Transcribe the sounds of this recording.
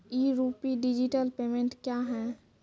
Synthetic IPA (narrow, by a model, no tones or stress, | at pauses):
iɾuːpiɖid͡ʒiʈəlpeːmẽɳʈkjaɦɛ̃